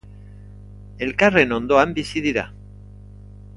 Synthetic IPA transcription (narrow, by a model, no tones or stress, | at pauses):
e̞lkare̞no̞nd̪o̞ambisiðiɾa̰